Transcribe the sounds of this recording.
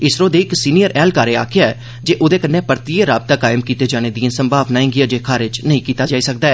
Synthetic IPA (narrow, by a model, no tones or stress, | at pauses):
ɪsɾoːd̪eːɪksiːnijəɾɛːlkaːɾeːa̰ːkʰɪjaɛː | d͡ʒeːʔʊd̪eːkənːẽːpəɾt̪iːeɾaːb̚t̪aːkaːɪmkiːt̪eːd͡ʒaːneːd̪iãːsəmbʱaːbnaːĩːɡɪaːd͡ʒeːkʰaːɾɪd͡ʒnəĩːkiːt̪aːd͡ʒaːiːsək̚d̪aːɛː